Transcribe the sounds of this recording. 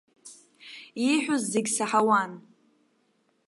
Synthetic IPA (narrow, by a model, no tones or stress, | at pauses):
iħʷᶣuzːeɡʲsaħawan